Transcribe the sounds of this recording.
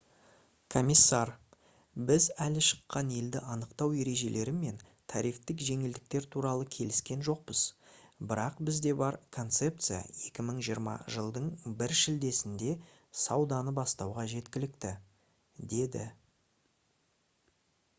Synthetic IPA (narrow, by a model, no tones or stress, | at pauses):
kʰo̞mʲisːɑr | bɪzælɪʃə̥qːɑne̞ld̪ɪʔɑnəqt̪ɑwe̞ɾe̞ʒe̞le̞ɾɪme̞n | t̪ʰɑ̰ɾijft̪ɪkʒe̞ŋɪld̪ɪk̚t̪e̞ɾt̪ʰuɾɑlˠəkʲʰe̞lɪskʲe̞nʒo̞q̚pəz̥bɪɾɑqbɪzd̪e̞bɑɾkʰo̞nt̪se̞p̚t̪sɨja̰e̞kʲɪməɴʒijəɾmɑ̰ʒəlˠd̪əɴbɪɾʃɪld̪e̞sɪnd̪e̞ | sɑwd̪ɑnəbɑst̪ɑwʁɑʒe̞t̪kʲɪlɪkt̪ɪ | d̪e̞d̪ɪ̰